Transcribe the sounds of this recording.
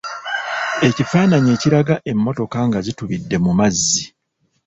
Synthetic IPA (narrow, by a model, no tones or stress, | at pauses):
e̞cifaːnaɲe̞ːciɾaɡaʔe̞mːo̞to̞kaŋɡaɟituβidːe̞mumazːi